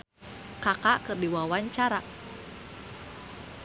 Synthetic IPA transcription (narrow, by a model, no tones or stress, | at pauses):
kakakɨrdiwawaɲt͡ʃaɾaʔ